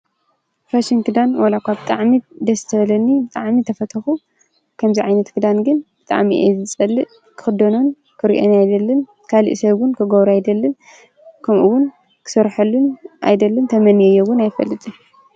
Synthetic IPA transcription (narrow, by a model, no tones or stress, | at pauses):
faʃɪŋkʰɨd̪anwɐlakʷʰabɨt̪ʼaʕmid̪ɐsɨ̥t̪ʰɐβɐlɐnːibɨt̪ʼaʕmit̪ʰɐfɐt̪ʰɐxu | kʰɐmziʕajnɐt̪kʰɨd̪anɡɨnbɨt̪ʼa̰ʕmiʔezɨt͡sʼɐlːɨʔ | kʰɨ̥xɨd̪onon | kʰɨɾḭʔonajd̪ɐlːɨn | kʰalḭʔsɐβʊnkʰɨɡoβɾajd̪ɐlːɨn | kʰɐmʔuwʊn | kʰɨ̥sɐɾħɐlːuna̰jd̪ɐlːɨnt̪ʰɐmɐnijɛjowʊnajfɐ̰lːɨt̪ʼu